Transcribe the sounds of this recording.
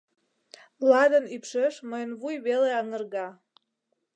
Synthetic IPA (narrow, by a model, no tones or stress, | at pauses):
lɑd̪ənypʃeʃməjənβujβeleɑŋərɣɑ